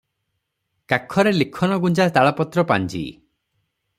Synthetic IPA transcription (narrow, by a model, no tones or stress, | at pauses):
kakʰɔɾelikʰɔnɔɡund͡ʒat̪aɭɔpɔt̪ɾɔpand͡ʒḭ